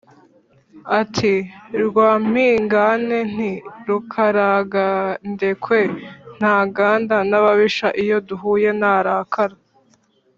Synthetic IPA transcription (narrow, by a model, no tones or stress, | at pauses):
atʰiɾɡwaːm̥iːŋɡane̞n̥iɾukʰaɾaɡande̞kʰwe̞n̥aːɡaːndanaβaβiʃaʔijo̞duɦuːje̞naːɾaːkʰaɾa